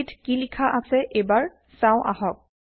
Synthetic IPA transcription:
tkilikʰaʔasɛʔebaɹ | sãʊ̃ʔa̰ɦɔk̚

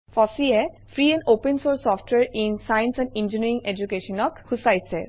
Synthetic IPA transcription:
fʰɔsiɛ | fʰɹiɛ̃nopɛnsoɹsɔfʈʰwɛɹinsajnsɛ̃nind͡ʒiniɹiŋed͡ʒukeʃɔnɔkhusajsɛ

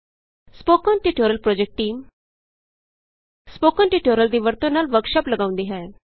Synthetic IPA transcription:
spoːkɔ̃ːnʈiʈoːɾəlpɾoːd͡ʒek̚ʈːiːm | spoːkɔ̃ːnʈiʈoːɾəld̪iːʋəɾt̪õnaːlʋəɾkʃaːpləɡaːʊ̃nd̪iːɦɛː

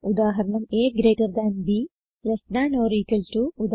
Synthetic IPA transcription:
ud̪aːɦɐɾɐɳɐmeːɡɾeːʈɐɾd̪aːnbiː | lɐsnaːnoːɾiːkɐlʈuud̪

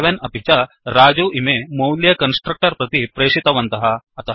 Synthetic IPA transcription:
ʋenɐbʱit͡ʃɐ | ɾaːd͡ʒuʔimemɐwljɐkɐnsʈɾɐk̚ʈɐɾpɾɐt̪ipɾeːʂit̪ɐʋɐnt̪ɐɦɐ | ɐt̪ɐ

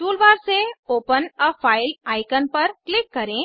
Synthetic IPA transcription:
ʈuːlʋaːɾseoːpənəfʰaːɪlaːɪkənpɐɾklɪkːɐɾẽ

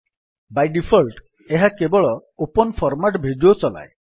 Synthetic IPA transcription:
bajɖipʰɔlʈ | eɦakebɔɭɔopɔnpʰɔɾmaʈbʱiɖot͡ʃɔla̰j

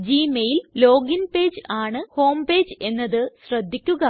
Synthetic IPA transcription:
d͡ʑiːmɐjillo̞ːɡinpeːd͡ʑaːɳɨho̞ːmbe̞ːd͡ʑe̞nːɐðɨɕrɐd̪ʱːikʲːuɣɐ

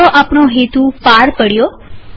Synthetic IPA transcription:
oʔapɳoɦet̪ũpaɾpəɽjo

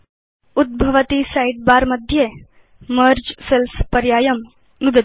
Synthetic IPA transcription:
ud̪̚bʱɐʋɐt̪isaiʈ̚baːɾmɐd̪ʱje | mɐɾd͡ʒselspɐɾjaːjɐm | nud̪ɐ

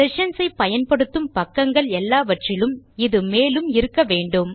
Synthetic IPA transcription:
ɪʂɐnsɐɪpːɐjɐnpɐɽɯt̪ːɯmpɐkːɐŋɡɐɭɛlːaːʋɐʈrɪlɯmɪðɯmeːlɯmɪɾɯkːɐʋeːɳɖɯm

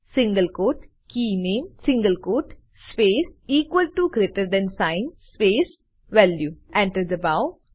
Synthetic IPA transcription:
sĩŋɡəlkoːʈ | kiːnẽːmsĩŋɡəlkoːʈ | speːsiːkʋəlʈuɡɾeːʈəɾd̪ɛ̃nsãɪnspeːs | ʋɛljuʔɛ̃ɳʈəɾd̪əbaʊ

